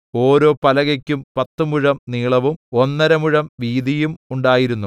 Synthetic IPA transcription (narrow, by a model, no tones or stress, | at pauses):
o̞ːɾo̞ːpɐlɐɣɐkʲːumpɐt̪ːumuɻɐmniːɭɐʋumo̞nːɐɾɐmuɻɐmʋiːd̪ijumuɳɖaːjiɾunːu